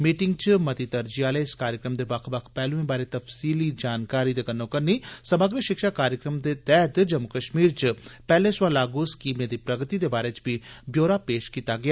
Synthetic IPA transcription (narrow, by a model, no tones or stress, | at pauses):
miːʈɪŋɡt͡ʃmət̪iːt̪əɾd͡ʒiaːleːɪskaːɾjəkɾəmd̪eːbəkʰbəkʰpɛːlũːẽːbaːɾeːt̪əfsiːliːd͡ʒaːnkaːɾiːd̪eːkənːõːkəɾniːsəməɡɾəʃɪkʃaːkaːɾjəkɾəmd̪eːt̪ɛːɦt̪d͡ʒəmʊkəʃmiːɾt͡ʃpɛːlẽːsʊwaːlaːɡuːskiːmeːd̪iːpɾəɡt̪iːd̪eːbaːɾeːt͡ʃbiːbjoːɾaːpeːʃkiːt̪aːɡɪaː